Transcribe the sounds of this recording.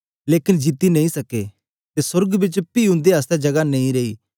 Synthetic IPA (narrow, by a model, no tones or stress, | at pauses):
leːkɪnd͡ʒit̪inɐ̃ːĩsɐkḛ | t̪esʊɾɡbɪt͡ʃpiːʊ̃nd̪eaːst̪ɛd͡ʒɐɡanɐ̃ĩɾeḭː